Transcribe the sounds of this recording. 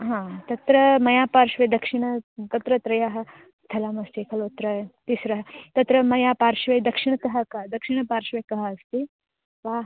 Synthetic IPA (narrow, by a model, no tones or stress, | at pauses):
ɦãt̪ɐt̪ɾɐmɐjaːpaːɾʃʋɐd̪ɐkʂiɳ̃ɐt̪ɐt̪ɾɐt̪ɾɐjaɦɐ | t̪ʰɐlaːmɐst̪ikʰɐloːt̪ɾɐt̪isɾɐɦɐt̪ɐt̪ɾɐmɐjaːpaːɾʃʋɐjd̪ɐkʂiɳ̃ɐt̪ɐɦɐkɐd̪ɐkʃiɳ̃ɐpaːɾʃʋɐjkɐɦɐɐst̪i | ʋaːɦ